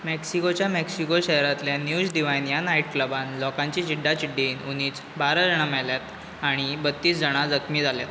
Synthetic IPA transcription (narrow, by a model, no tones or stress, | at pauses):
mɛksikot͡ɕjameksikoɕəɦɾat̪ljanjud͡zɖ̪iʋajnjanaiʈ̚kləbãnlɔkaɲt͡ɕid͡ʑiɖːat͡ɕiɖːiːnuniːt͡s | baɾəd͡zəɳ̃amɛljat̪ | aɽ̃ibət̪ːiːs̬d͡zəɽ̃ad͡zəkʰmiːd͡zʱaljat̪